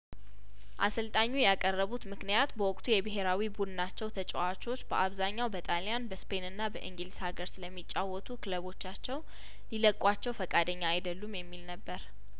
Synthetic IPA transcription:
ʔa̰sɨlt̪ʼaɲːujakʼərːəβut̪mɨknijat̪bəwɔkʼt̪ʰujɛbɨɦe̞ɾawibud̪ɨnat͡ʃːɛwt̪ʰət͡ʃʼɛwat͡ʃʼo̞t͡ʃːbəʔaβzaɲːawbət̪ʼalijanbəspʰenɨnːabəʔɨ̰ŋɡɨlishaɡəɾsɨləmːit͡ʃʼːawːɔt̪ʰukʰɨləβo̞t͡ʃːat͡ʃːɛw | liləkʼːwat͡ʃːɛwfəkʼad̪əɲːaːjd̪əlːumjɛmːilnəbːəɾ

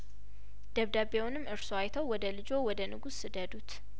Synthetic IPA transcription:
d̪̥əβd̪abewʊnɨmːɨɾsoajt̪ʰəwwɔd̪əlɨd͡ʒo̞wɔd̪ənɨɡusːɨd̪əd̪ut̪

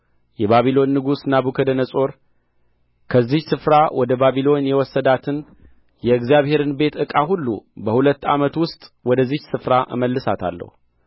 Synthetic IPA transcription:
jɛβaβilo̞nːɨɡusnabukʰəd̪ənəsʼo̞ɾ | kʰəzːɪhsɨfɾawʔɔd̪əbaβilo̞njɛwɔsːəd̪at̪ʰɨn | jɛɨɡzijaβhe̞ɾɨnbe̞t̪ɨkʼaɦulːṵbəhulət̪ːa̰mət̪wʊst̪ʼwɔd̪əzːɪhsɨfɾaʔɨ̰məlːɨsat̪ʰa̰lːə̰hu

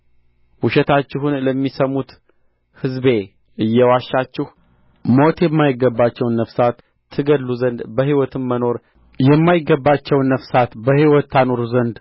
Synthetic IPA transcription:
wuʃɛt̪ʰat͡ʃːɪɦunləmːisəmut̪ | hɨzbe̞ | ɨjːɛwaʃːat͡ʃːɪh | mo̞t̪jɛmːajɪɡːəbːat͡ʃːɛwnːəfsat̪ʰː | ɨɡəlːuzənd̪bəhiwɔt̪ʰɨmːəno̞ɾ | jɛmːajɪɡːəbːat͡ʃːɛwnəfsat̪bəhiwɔt̪ʰːanoɾzənd̪

